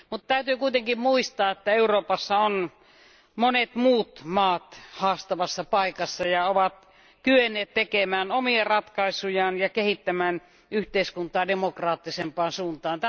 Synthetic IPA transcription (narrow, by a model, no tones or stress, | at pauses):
mut̪t̪æyt̪yːkuit̪eŋkimmuist̪ɑːet̪ːæeuroːpɑsːɑon | monet̪muːt̪mɑːt̪hɑːst̪ɑʋɑsːɑpɑikɑsːɑjɑoʋɑt̪ | kyenːˑeːt̪t̪ekemæːnomierɑt̪kɑisujɑːnjɑkehit̪ːæmæːn | yht̪eiskunt̪ˑɑːdemokrɑːt̪ːisempɑːnsuːnt̪ɑːnt̪æ